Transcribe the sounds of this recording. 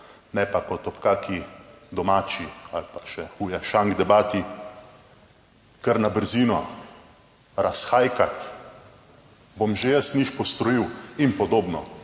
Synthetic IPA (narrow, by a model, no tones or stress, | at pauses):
nɛpakɔt̪ɔpkaːkid̪ɔmaːt͡ʃialpḁʃɛxuːjaʃaŋɡd̪ɛbaːt̪i | kəɾnabəɾziːnɔ | ɾasxaːjkat̪ | bomʒejəst̪nʲixpɔst̪ɾɔjiwinpɔd̪oːbnɔ̰